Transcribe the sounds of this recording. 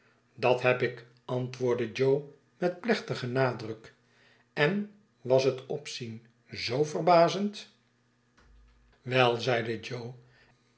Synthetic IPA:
dɑtɦɛpɪk | ɑntʋʊːɹdəd͡ʒow | mɛt̚plɛχtəχənaːdrɵk | ɛn | ʋɑsətɔpsin | zowvərbaːzənt | ʋɛlˠzɛjdəd͡ʒow

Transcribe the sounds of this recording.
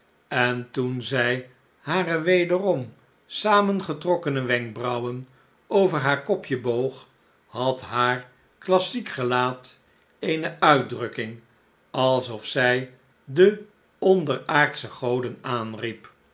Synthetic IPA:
ɛntunzɛj | haːrəʋejdərɔm | saːmənχətrɔkənəʋɛŋk̚brʌwən | owvəɹɦaːɹkɔpjəbowχ | hɑtɦaːɹ | klɑsikχəlaːt | ejnəœɥtdrɵkɪŋ | ɑlˠsɔfsɛj | də | ɔndəɹaːɹtsəχowdənaːnrip

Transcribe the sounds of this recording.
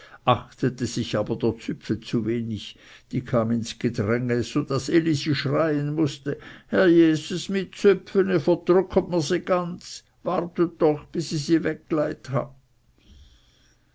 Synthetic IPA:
ʔaxtətəzɪçaːbɐd̥eːɐt͡sʏpfət͡suveːnɪç | d̥iːkʰaːmɪnsɡ̥ədʁɛŋəz̥od̥aseliziːʃʁaɪənmʊstəhɛɐjeːzusmɪt̚t͡sʏpfənəfəd̥ʁʏkʰətmɪziːɡ̥ant͡s | vaʁtət̚d̥ɔχb̥ɪsiziːvɛk̚ɡlaɪtha̰b̚

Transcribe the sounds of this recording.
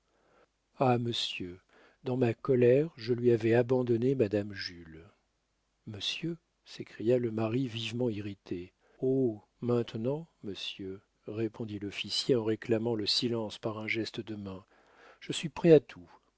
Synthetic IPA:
aməsjø | d̪ɑ̃makɔlɛʁʒəlɥiavɛabɑ̃d̪ɔnemad̪amʒyl | məsjø | sekχijaləmaʁivivmɑ̃iʁit̪e | o | mɛ̃t̪nɑ̃məsjø | ʁepʰɔ̃d̪ilɔfisjeɑ̃ʁeklamɑ̃ləsilɑ̃spaʁɛ̃ʒɛst̪əd̪əmɛ̃ | ʒ̥əsɥipχɛat̪ʰu

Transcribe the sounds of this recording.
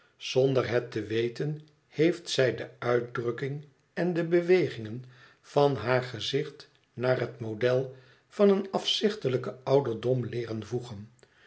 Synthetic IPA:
z̥ondərɦɛtəʋejtən | hejftsɛjdəœɥt̚drɵkɪŋ | ɛndəbəʋejχɪŋən | v̥ɑnɦaːɹχəzɪχt | naːrɦətmodɛlˠ | fɑnənɑfsɪχtələkəɑwdəɹdɔmlɪːrənvuχən

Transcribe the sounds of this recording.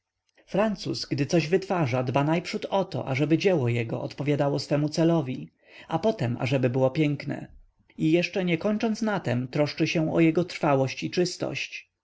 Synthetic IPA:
fɾant̪susɡd̪ɘt̪ɔʑvɘt̪faʐad̪banajpʂut̪ɔt̪ɔ̰ʔa̰ʐɛbɘd͡ʑɛwɔjɛɡɔ̰ʔɔt̪pɔvʲjad̪awɔsfɛmut̪sɛlɔvʲi | apɔt̪ɛma̰ʐɛbɘbɘwɔpʲjɛŋknɛ̰ | ijɛʂt͡ʂɛɲɛkɔɲt͡ʂɔnsnat̪ɛmt̪ɾɔʂt͡ʂɘɕɛ̃ɔ̰jɛɡɔt̪ɾfawɔɕt͡ɕit͡ʂɘst̪ɔ̰ɕt͡ɕ

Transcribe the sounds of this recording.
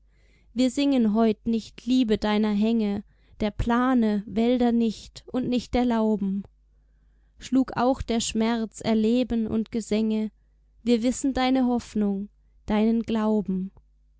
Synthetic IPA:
viːɐzɪŋənɦɔʏtnɪçtʰliːbədaɪnɐɦɛŋə | d̥eːɐpl̥aːnəvɛldɐnɪçtʔʊntnɪçt̚d̥eːɐlaʊbm̩ | ʃluːka̰ʊxd̥eːɐʃmɛɐt͡sɛɐleːbənʊ̰ntɡ̥əzɛŋə | viːɐvɪsn̩daɪnəɦɔfnʊŋ | d̥aɪnənɡlaʊbm̩

